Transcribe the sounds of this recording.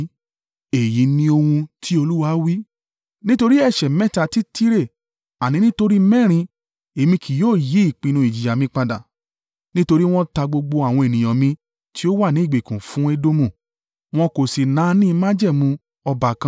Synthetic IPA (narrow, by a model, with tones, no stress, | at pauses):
e˨ji˨˦nĩ˧˦o˧hũ˧tʰi˦o˧lu˦wa˧˦wi˦ | nĩ˦to˧ɾi˦ɛ˧˨ʃɛ˨mɛ̃˦ta˧ti˦ti˦ɾe˦˨ | a˨nĩ˨˦nĩ˦to˧ɾi˦mɛ̃˦˨ɾ̃ĩ˧ | e˨mĩ˧kʰi˨joː˦˨ji˨˦i˦˨k͡pĩ˧nũ˧i˨d͡ʒi˨ja˨mĩ˧˦k͡pa˧da̰˨ | nĩ˦to˧ɾi˦w̃ɔ̃˦ta˧ɡ͡bo˧ɡ͡bo˧a˨w̃ɔ̃˧e˨nĩ˨j̃ã˨mĩ˧ | ti˦o˦wa˦˨nĩ˨˦˨ɡ͡be˨kũ˨fũ˦e˦do˦mũ˦˨ | w̃ɔ̃˧ko˨si˨nãː˨˦nĩ˦˧˦mã˦d͡ʒɛ˦˨mũ˧ | ɔ˧ba˨kã˧